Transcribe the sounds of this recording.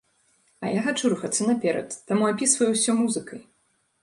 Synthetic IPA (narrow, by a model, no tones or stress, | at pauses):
ɐ̰jaɣat͡ʂuɾuxɐt̪sɨnɐpʲɛɾɐ̰t̪ːamuapʲisvɐjuwsʲɔmuzɨkɐj